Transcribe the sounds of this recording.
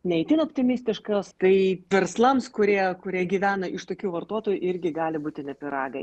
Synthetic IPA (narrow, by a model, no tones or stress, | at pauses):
nʲɛɛɪt̪ʲɪnoːpʲt̪ʲɪmʲɪsʲt̪ʲɪʃkɐst̪ɐɪʋʲɛɾslˠɐmskʊɾʲiɛkʊɾʲiɛɡʲiːʋʲæːnɐʔɪʃt̪oːkʲuːʋɐrt̪uɔt̪oːjuʔɪɾʲɡʲɪɡɑːlʲɪbuːt̪ʲɪnʲɛpʲɪɾɑːɡɐɪ